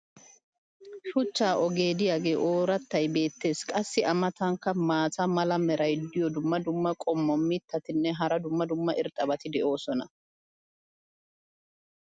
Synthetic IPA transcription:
ʃʊt͡ʃːaːʔɔɡe̞ːd̪ɪjaːɡe̞ːʔo̞ːɾɐt̪ːɐjbe̞ːt̪ːe̞ːskʼɐsːɪʔɐmɐt̪ɐŋkːɐmaːsɐmɐlɐmɛɾɐjd̪ɪjɔd̪ʊmːɐd̪ʊmːɐkʼɔmːɔmːɪt̪ːɐt̪ɪnːɛɦɐɾɐd̪ʊmːɐd̪ʊmːɐʔɪɾt̪ʼːɐbɐt̪ɪd̪ɛʔo̞ːsɔnɐ

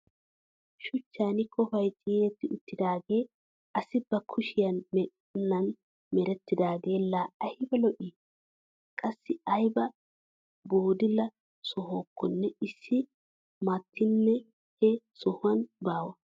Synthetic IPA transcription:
ʃʊt͡ʃːaːnɪkʰɔfɐjt̪ʼɪːnɛt̪ːɪʊt̪ːɪd̪aːɡe̞ː | ɐsɪbɐkʰʊʃɪjɐnmɛ | nːɐn | mɛɾɛt̪ːɪd̪aːɡe̞ːlːaːɐhɪbɛlɔʔi | kʼɐsːɪɐjbɐ | boːd̪ɪlɐ | sɔɦoːkːɔnːɛɪsːɪ | mɐt̪ʰːɪnːɛ | hɛsɔhʊwɐnbaːwɐ

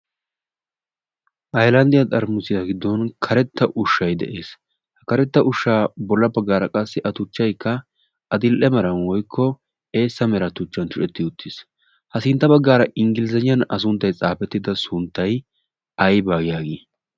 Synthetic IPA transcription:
ʔɐjlɐnd̪ɪjɐt̪ʼɐɾmʊsɪjaɡɪd̪ːɔnkʰɐɾɛt̪ːɐʔʊʃːɐjd̪ɛ̰ʔe̞ːs | hɐkɐɾɛt̪ːɐʔʊʃːaːbɔlːɐbɐɡːaːɾɐkʼɐsːɪʔɐt̪ʊt͡ʃːɐjkːɐ | ʔɐd̪ɪlʔɛmɐɾɐnwɔjkʰːɔ | e̞ːsːɐmɛɾɐt̪ʊt͡ʃːɐnt͡ʃʊt͡ʃɛt̪ːɪʊt̪ʰːɪs | hɐsɪnt̪ːɐbɐɡːaːɾɐʔɪŋɡɪlɪzɐɲɪjɐnɐs̬ʊnt̪ːɐjt͡sʼaːpɛt̪ːɪd̪ɐsʊnt̪ːɐj | ɐjbaːɡɪjaːɡeː

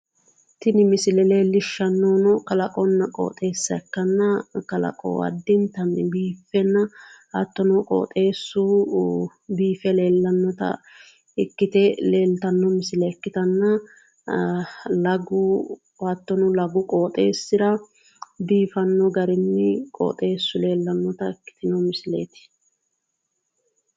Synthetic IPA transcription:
t̪ɪnɪmɪsɪlɛleːlːɪʃːɐnːɔnɔkɐlɐkʼɔnːɐkʼo̰ːt̪ʼe̞ːsːɐkːɐnːɐkɐlɐ̰kʼo̰ːɐ̰d̪ːɪnt̪ɐnːɪbiːfɛnːɐhɐt̪ːɔnɔkʼo̰ːt̪ʼe̞ːsːu | biːfɛle̞ːlːɐnːɔt̪ɐ̰ | ɪkːɪt̪ɛleːlt̪ɐnːɔmɪsɪlɛɪkːɪt̪ɐnːɐ | lɐɡʊ | hɐt̪ːɔnʊlɐɡʊkʼoːt̪ʼe̞ːsːɪd̪ɐ | biːfɐnːɔɡɐɾɪnːɪkʼo̰ːt̪ʼe̞ːsːʊle̞ːlːɐnːɔt̪ɐɪkːɪ̥t̪ɪnɔmɪslḛːt̪ɪ̥

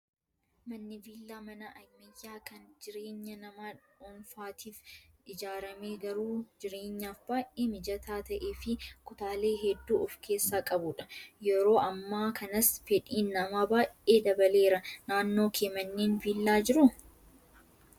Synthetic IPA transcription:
mɐnːɪviːlːaːmɐnɐʔɐjmːɐjːaːkɐnd͡ʒɪɾe̞ːɲːɐnɐmaːᶑ | ɔnfaːt̪ʰiːfɪd͡ʒaːɾɐme̞ːɡɐɾuːd͡ʒɪɾe̞ːɲːaːfbaːʔeːmɪd͡ʒɐt̪ʰaːt̪ɐʔeːfɪkʊt̪aːle̞ːɦɛd̪ːuːʔɔfkʰe̞ːsːaːkʼɐbʊᶑɐ̥jɛɾo̞ːʔɐmːaːkʰɐnɐsfɛᶑʼiːnːɐmaːbaːjʔʔʔeːd̪ɐbɐle̞ːɾɐnaːnːo̞ːkʰeːmɐnːeːnviːlːaːd͡ʒɪɾʊ

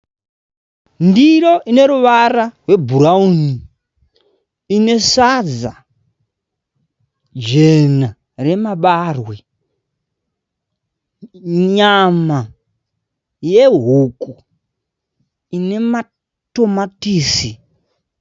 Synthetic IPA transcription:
ndiɾo̞ʔine̞ɾuʋararwe̞bʱuɾauni | ine̞sad͡za | d͡ʒena | re̞maɓarwe | ɲama | je̞ɦuku | ine̞ma | to̞matiːsi

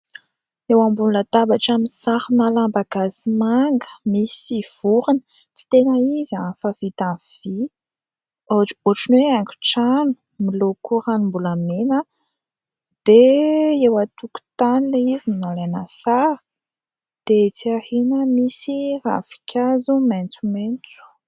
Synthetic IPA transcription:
ewambullad̪abaʈ͡ʂaminsaɾinalambaɡasimaŋɡə̥misiv̥uɾinə | t͡si̥t̪enəizafavit̪anv̥i | oʈ͡ʂoʈ͡ʂunweaŋkʲu̥ʈ͡ʂanu̥ | milokuɾanumbulamena | d̪̥eewat̪uku̥t̪anileizininalanasaɾə̥ | d̪̥et͡siahinəmisira̰fi̥kʰʲazument͡sument͡su̥

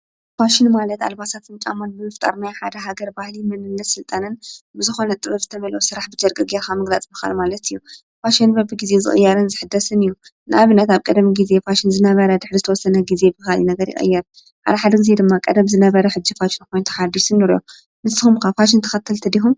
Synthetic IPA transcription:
faʃɪnmalɐt̪a̰lbasat̪ʰɨnt͡ʃʼamanbɨmɨft̪ʼa̰ɾnajħad̪ɐɦaɡɐɾbahlimɨnɨnːɐt̪sɨlt̪ʼanɨnbɨzɨxo̞nɐt̪ʼɨβɐbzɨt̪ʰɐmɐlɐwusɨɾaħbɨd͡ʒɐɾkʼɨɡeɾxamɨɡlat͡sʼmɨxa̰lmalɐt̪ʰɨjːu | faʃinbɐbɨɡizezɨ̰χʼɨ̰jːaɾɨnzɨħɨd̪ːɐsɨnɨjːunɨʔaβɨnːɐt̪aβkʼɐd̪miɡize̞faʃɪnzɨnɐβɐɾɐd̪ɨħɾizɨt̪ʰɐwɔsːɐnɐɡize̞bɨxalinɐɡɐɾjɪ̰xʼɨ̰jːaɾ | ħa̰d̪ɐħad̪ɐɡize̞d̪ɨmːakʼɐd̪ɐmzɨnɐβɐɾɐħɨd͡ʒːifaʃɪnko̞jnt̪ʰu̥ħad̪iʃɨnːɨɾjo̰ | nɨsːɨxumkʰafaʃ̬ɪnt̪ʰɐ̥xɐt̪ʰːɨlt̪ʰɐd̪ixum

